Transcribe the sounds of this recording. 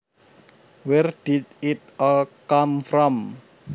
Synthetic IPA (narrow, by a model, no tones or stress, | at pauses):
wɛrd̥idit̚ɔlkamfɾɔm